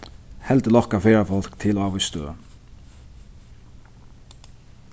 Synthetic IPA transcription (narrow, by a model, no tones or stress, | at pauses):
hɛlt̪əlɔhkafeːɹafɔl̥kt̪ʰɪlaːʋɪst̪ø̰